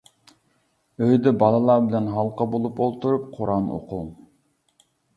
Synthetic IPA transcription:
øjd̪ɛbɑlˠɨlˠɑbɪlɛnɦɑlˠqɑbolˠupolˠt̪uɾup̚qʰoɾɑmo̰qʰulˠ

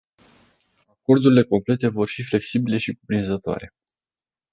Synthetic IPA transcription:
ako̞rd̪uɾile̞ko̞mple̞t̪e̞vo̞rfifle̞ksibile̞ʃikupɾinzət̪oa̰ɾe̞

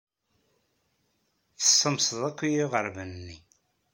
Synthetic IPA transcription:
θə̥sˤːəmsəðˤækʷːijiʁəɾvənːi

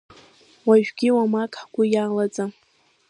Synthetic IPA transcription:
waʒᶣɡʲiwamakʼħɡ̥ʷʊjaːlat͡sʼa

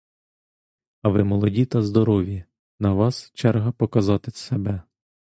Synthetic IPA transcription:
ɐʋɪmɔlˠɔdʲit̪ɐzd̪ɔɾɔʋʲi | nɐʋɑst͡ʃɛrɦɐpɔkɐzɑt̪ɪsebɛ

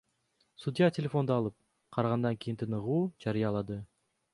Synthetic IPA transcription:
sud̪ʲijɑtʲelʲefo̞nd̪oːlˠɯp̚ | qʰɑɾɑʁɑnd̪ɑŋkʲijint̪ʰɯnɯʁuːd͡ʒɑɾɯjɑlˠɑd̪ɯ

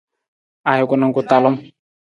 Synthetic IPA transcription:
ajokunaŋkut̪alɔm

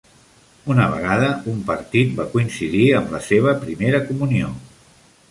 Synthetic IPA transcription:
unəβ̞ə̰ɣ̞aðəumpəɾt̪it̪̚bakuinsiðiəmləseβ̞əpɾimeɾəkumunio

